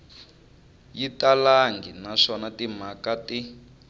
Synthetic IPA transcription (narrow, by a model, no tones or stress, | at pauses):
jitalaŋɡinaʂɔnatimakati